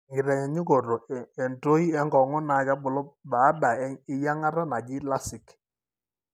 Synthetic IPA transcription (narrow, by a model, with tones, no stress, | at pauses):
ŋɡɪ˨ɾɛ˨ɲɛ˨ɲi˦ko˨ɾo˨ɛ˨nto˦i˦ɛ˦ŋɡɔ˨ŋɔ˦na˨˦ka˦bʊ˨lɔ˦ba˨˦da˨ɛ˦ɪ˦ja˦ŋa˦ɾa˦na˨d͡ʒɪ˦la˦sɪ˨k